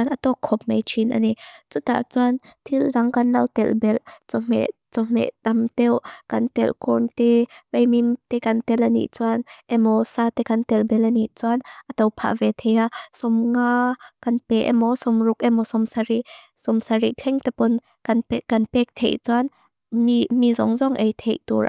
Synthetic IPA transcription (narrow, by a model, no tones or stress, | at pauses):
anʔat̪ɔkʰːɔp̚mejt͡ʃʰinʔa̰nit͡sut̪a̰ʔt͡suant̪ʰilːɐŋkɐnlɐ̰wt̪ɛlbɛlt͡sɔm̥ɛ̰ʔt͡sɔm̥ɛ̰ʔt̪amt̪ɛwkɐnt̪ɛ̰lkɔnt̪ɛpejmimt̪ɛkɐnt̪ɛlʔanḭʔt͡suanʔɛmɔsat̪ɛkɐnt̪ɛlbɛlʔaniʔt͡suanʔat̪ɔwpʰa̰ʔvɛt̪ʰɛjasɔmŋakanpɛʔɛ̰mɔsɔmrʊkɛmɔsɔmsaɾi | sɔmsaɾiʔt̪ʰɛŋt̪ɛpɔn | kanpɛkɐnpɛk̚t̪ʰɛ̰ʔt͡suan | imizɔ̰ŋzɔŋʔejt̪ʰejt̪ṵɹ